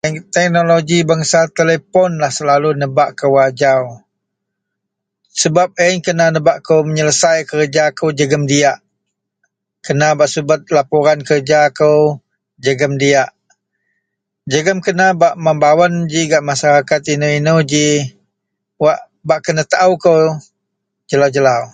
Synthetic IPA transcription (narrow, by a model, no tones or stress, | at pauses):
t̪ɛk̚noloɡibaŋsat̪elepɔnlahsəlalunəbaʔkəwad͡ʒaw | səbap̚əɲkənanəbaʔkəwməɲələsajkərd͡ʒakəwd͡ʒəɡəmdiaʔ | kənabaʔsəbət̪̚lapoɾankərd͡ʒakəw | d͡ʒəɡəmdiaʔ | d͡ʒəɡəmkənabaʔmambawənd͡ʒiɡaʔmasaɾakat̪inəinəwd͡ʒi | waʔ | baʔkənət̪aʔəkəw | d͡ʒəlawd͡ʒəlaw